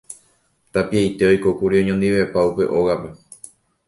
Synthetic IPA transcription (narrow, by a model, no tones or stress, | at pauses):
t̪apiajt̪e̞ojkokuɾiõɲõnd̪iʋe̞paupe̞ʔo̞ɣape̞